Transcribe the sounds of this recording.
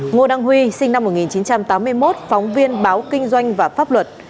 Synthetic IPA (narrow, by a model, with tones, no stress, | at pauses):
ŋo˧ɗaː˧ŋɦwi˧sï˧ŋna˧mːo˨˩ŋi˨˩nt͡ɕi˨˦nt͡ɕa˧mt̪aː˨˦mːɨ˧əjmo˦˥t̚fɔ˨˦wŋ͡mvi˧ənɓaː˨˦wkï˧ŋ̟zwa˧jŋ̟vaː˨˩faː˦˥p̚lwə˨˩t̚